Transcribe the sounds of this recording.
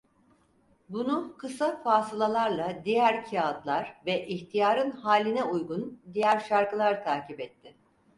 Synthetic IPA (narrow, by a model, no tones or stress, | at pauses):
bunukʰɯsafaːsɯlˠalˠaɾlˠad̪ijæɾcʰiad̪lˠaɾ̥vɛʔiçt̪ʰijaːɾɯnɦaːlʲːinɛujɡund̪ijæɾʃaɾkɯlˠaɾt̪ʰaːcipɛt̪ʰːɪ